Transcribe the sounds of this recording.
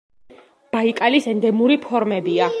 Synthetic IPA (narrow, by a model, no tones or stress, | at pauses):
b̥aikʼalisɛnd̪ɛmuɾipʰɔɾmɛbia